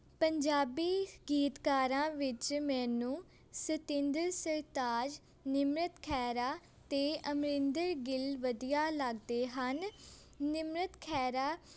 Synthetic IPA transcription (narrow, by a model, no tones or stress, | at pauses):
pəɲd͡ʒaːbiːɡiːt̪kaːɾãːʋɪt͡ʃmɛ̃ːnũː | sɪt̪ɪ̃nd̪əɾsəɾt̪aːd͡ʒ | nɪmɾət̪kʰɛːɾaː | t̪eːəmɾɪ̃nd̪əɾɡɪlʋəd̪ijaːləɡd̪eːɦənː | ɪmɾət̪kʰɛːɾaː